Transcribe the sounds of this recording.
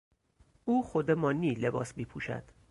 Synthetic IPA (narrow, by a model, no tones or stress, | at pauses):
ʔuːxod̪emɒːnːiːle̞bɒːsmiːpʰuːʃæ̰d̪̥